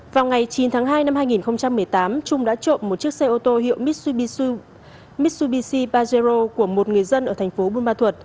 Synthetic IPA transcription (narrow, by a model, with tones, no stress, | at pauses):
vaː˨˩wŋa˨˩jt͡ɕi˨˦nt̪ʰaː˨˦ŋɦaː˧jna˧mhaː˧jŋi˨˩nxə˧wŋ͡mt͡ɕa˧mːɨ˨˩əjt̪aː˨˦mt͡ɕʊ˧ŋ͡mɗa̰ː˧˥t͡ɕo̰˧˨nmo˨˩t̚t͡ɕi˦˥ək̚sa˧jʔo˧t̪o˧ɦḭ˧˨əwm̚˦˥˧ | mi˦˥t̚su˧ɓi˧si˧ɓaː˧ze˧zo˧ku˧˩əmo˨˩t̚ŋɨ˨˩əjzə˧nʔəː˧˩t̪ʰɛ˨˩ŋ̟fo˨˦ɓu˧nɓaː˧t̪ʰwə˨˩t̚